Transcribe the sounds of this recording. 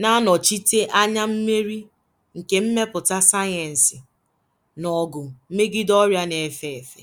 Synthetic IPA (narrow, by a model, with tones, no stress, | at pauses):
na˦nɔ˨t͡ʃi˦te˦ʔa˦ɲa˦m̩˦me˦ɾi˦ | ŋ̩˨ke˨m̩˦me˦pʊ˨ta˦sa˦je˨n̩˨sɪ˨ | nɔ˨ɡʊ˨m̩˦me˦ɡɪ˦dɔ˦ɾja˦ne˨fe˨e˨fḛ˨